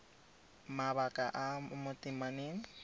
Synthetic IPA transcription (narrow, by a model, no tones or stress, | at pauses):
maβakʼaʔamʊtʼɪmaneːŋ̩